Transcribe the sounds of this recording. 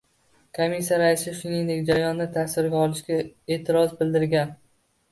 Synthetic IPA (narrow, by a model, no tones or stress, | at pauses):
kʰomisijaɾaɪsɪʃʊnɪŋd̪e̞kʲd͡ʒaɾajɒnːat̪ʰasɪɾɡʲaɒlˠɪʃkʲae̞ːt̪ʰɪɾɒzbɪld̪ɪɾɡʲan